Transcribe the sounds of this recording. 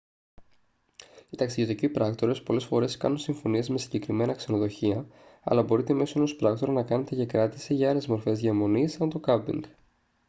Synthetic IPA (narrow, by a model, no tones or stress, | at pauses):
it̪ɐksiʝot̪icipɾɐkt̪o̞ɾe̞spo̞le̞sfo̞ɾe̞skɐ̰nunsiɱfo̞nie̞zme̞siɲɟe̞kɾime̞nɐkse̞no̞ðo̞çiɐɐ̰lɐbo̞ɾit̪eme̞soeno̞spɾɐkt̪o̞ɾɐnɐkɐne̞t̪ecɐkɾɐt̪isiʝɐɐle̞zmo̞ɾfe̞zʝemo̞nisɐnt̪o̞kɐbḭŋɡ